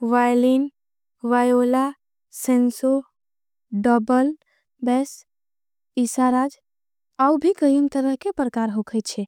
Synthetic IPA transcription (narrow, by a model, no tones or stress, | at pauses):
ʋajlin | ʋajola | senso | ɖəbəl | bɛs | isaɾad͡ʒ | aubʱikəjumt̪əɾəɦkepɾəkaɾɦokʰət̪t͡ʃʰɛ